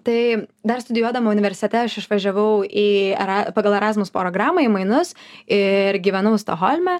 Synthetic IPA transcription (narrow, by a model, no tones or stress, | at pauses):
t̪ɐɪd̪ɐɾst̪ʊd̪ʲɪjuɔd̪ɐmɐʊnʲɪʋʲɛɾʲsʲɪ̥t̪ʲɛt̪ʲɛɐʃɪʃʋɐʒʲɛʋɐʊiːɛ̰ɾɑpɑːɡɐlˠɛɾɑːzmʊspoɾoːɡɾɑːmɐimɐɪnʊsɪɾɡʲiːʋʲɛnɐʊst̪oxolʲmʲɛ